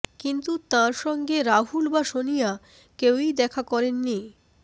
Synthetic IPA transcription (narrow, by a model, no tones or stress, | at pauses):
kint̪ut̪ãɾʃɔŋɡeɾaɦulbaʃonija | kewid̪ɛkʰakɔɾenːi